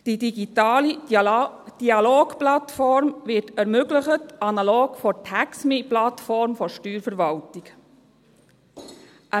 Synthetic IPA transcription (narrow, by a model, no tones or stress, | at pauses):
d̥idiɡitɑːli | d̥iɑloːɡplɑtfɔɾmvɪtɛɾmøɡləχətɑnɑloːɡfɔtʰæksmiplɑtfɔɾmfɔʃtyːɾfəɾʋɑltik | ʔæ